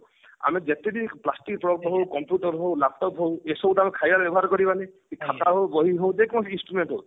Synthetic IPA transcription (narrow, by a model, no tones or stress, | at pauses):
a̰mid͡ʒet̪ediplasʈik̚pɾɔk̚tɔɦowkɔmpjuʈɔɾɦowlab̚tɔpɦowesɔwtamikʰajaɾbɛbɔɦaɾkɔɾibanekikʰat̪aɦowbɔɦiɦow̃d̪ekɔmɔ̃sinsʈɾumenʈɦow